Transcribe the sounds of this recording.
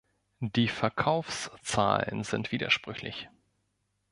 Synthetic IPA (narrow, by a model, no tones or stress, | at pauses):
d̥iːfɛɐkʰaʊfst͡sa̰ːlə̰nzɪntv̥iːdɐʃpʁ̥ʏçlɪ̰ç